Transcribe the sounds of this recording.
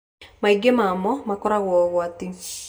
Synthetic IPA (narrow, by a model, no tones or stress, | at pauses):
maiɡemamɔmakɔɾaɣwɔɣwati